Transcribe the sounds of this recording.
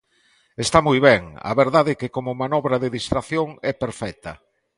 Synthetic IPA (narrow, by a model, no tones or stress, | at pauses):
est̪amujβɛŋa̰βeɾðaðekekomʊmanɔβɾɐðeðist̪ɾaθjoŋɛpeɾfɛt̪ɐ̰